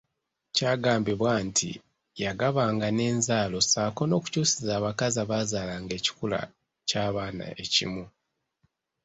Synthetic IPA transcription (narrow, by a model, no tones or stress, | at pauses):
caːɡaːmbiβwantʰḭ | jaɡaβaːŋɡane̞ːnzaːlo̞saːko̞no̞ːku̥cuːsizaːβakazaβaːzaːlaːŋɡe̞ːci̥kula̰ | caːβaːna̰ʔe̞cḭmu